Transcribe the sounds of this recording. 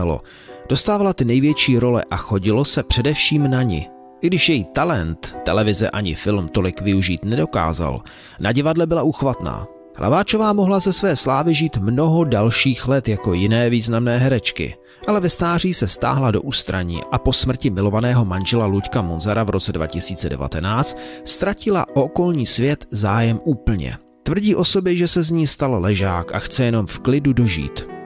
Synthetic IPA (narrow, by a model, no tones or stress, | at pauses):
lo̞̰ | d̥o̞st̪aːvalat̪ɪnɛjvjɛt͡ʃiːɾo̞lɛ̰ʔaxo̞ɟɪlo̞sɛpr̝̥ɛdɛfʃiːmnaɲɪ̰ | ʔɪɡdɪʃjɛjiːt̪alɛnt̪ːɛlɛvɪzɛʔaɲɪfɪlmt̪o̞lɪkvɪuʒiːt̪nɛdo̞ka̰ːza̰l | naɟɪvadlɛbɪlaʔuxvat̪na̰ː | hlʔa̰vaːt͡ʃo̞vaːmoɦlazɛsvɛːslaːvɪʒiːt̪mno̞ɦo̞dalʃiːxlɛt̪jako̞jɪnɛːviːznamnɛːɦɛɾɛt͡ʃkɪ̰ | ʔalɛvɛst̪aːr̝iːsɛst̪a̰ːɦlado̞ʔuːst̪ɾa̰ɲḭːʔapo̞smr̩cɪmɪlo̞vanɛːɦo̞manʒɛlaluckamonzaɾavɾo̞t͡sɛdva̰cɪsiːt͡sɛ̰dɛ̰va̰t̪ɛnaːt͡st̪st̪ɾacɪla̰ʔoko̞lɲiːsvjɛt̪zaːjɛmʔuːpl̩ɲɛ̰ | t̪vr̩ɟiːʔo̞so̞bɪʒɛsɛzɲiːst̪allɛʒaːkʔa̰xt͡sɛjɛno̞mfklɪdudo̞ʒḭːt̪